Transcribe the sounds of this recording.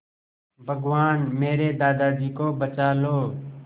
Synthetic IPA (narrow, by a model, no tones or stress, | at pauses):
bʱəɡʋaːnmeːɾeːd̪aːd̪aːd͡ʒiːkoːbət͡ʃaːloː